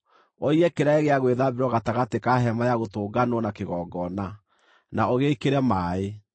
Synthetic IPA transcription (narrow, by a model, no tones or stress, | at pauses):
ɔiɛkeɾaeɣeaɣweðabeɾwɔɣataɣatekaɦɛmajaɣotoːɡanwɔnakeɣɔɡɔna | naoɣeikeɾɛmaːe